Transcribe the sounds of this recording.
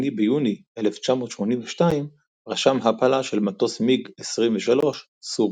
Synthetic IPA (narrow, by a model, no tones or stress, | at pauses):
nibejuniʔeleft͡ʃamo̞t̪ʃmo̞ninveʃtaim | ʁaʃamɦapalaʃelmat̪o̞smiɡesʁimveʃalo̞ʃ | su